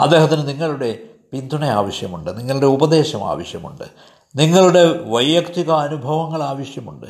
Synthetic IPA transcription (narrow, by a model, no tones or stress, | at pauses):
ɐ̰d̪ːeːɦɐt̪ːinɨniŋːɐɭuɽe̞ | pind̪ʱuɳea̰ːʋɐɕjɐmuɳɖɨniŋːɐɭuɽe̞ubɐd̪e̞ːɕɐma̰ːʋɐɕjɐmṵɳɖɨ | niŋːɐɭuɽe̞ʋɐjːɐkt̪iɣɐːnubʱɐʋɐŋːɐɭaːʋɐɕjɐmuɳɖɨ